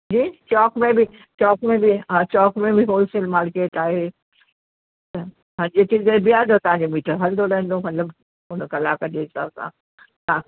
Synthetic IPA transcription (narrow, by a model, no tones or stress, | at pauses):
d͡ʑiːt͡ɕɔːkmẽbɪ | t͡ɕɔːkmẽbiãt͡ɕɔːkmẽbiɦoːlsəlmaːɾkeːʈaːɦe | t̪ɐ | ɦãːɲd͡ʑet͡ɕiːzebijaːd̪ot̪ɐʋ̤ãːɲd͡ʑomiːʈʰəɾɦɐld̪oɽɐɦɪ̃n̆d̪omɐt̪ləb | ʊnkɐlaːkəd͡ʑeɦɪsa̰ːbsã̰ː | t̪aː